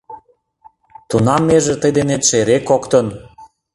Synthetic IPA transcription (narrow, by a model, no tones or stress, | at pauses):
t̪unɑmːeʒĕt̪əjd̪enet̪ʃeɾekokt̪ən